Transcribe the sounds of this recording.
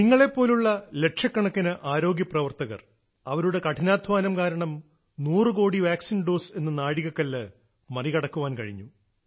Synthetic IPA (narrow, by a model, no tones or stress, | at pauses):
niŋːɐɭe̞pːo̞ːluɭːɐle̞ʈʂɐkːɐɳɐkːinɨʔaːɾo̞ːɡjɐprɐʋɐrt̪ɐɣɐ̰r | ɐʋɐɾuɽe̞kɐʈʰinaːd̪ʱʋaːnɐmkaːɾɐɳɐm | nuːrɨko̞ːɽiʋaːksinɖo̞ːse̞nːɐnaːɻiɣɐkːɐlːɨ | mɐriɣɐɽɐkːuʋaːnkɐɻiɲːu